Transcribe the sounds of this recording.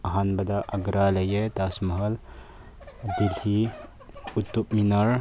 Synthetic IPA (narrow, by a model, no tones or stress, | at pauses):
ɐɦanbɐd̪aʔɐɡɾalɐjet̪asmɐɦɐl | d̪ilhi | ut̪ːup̚minɐɾ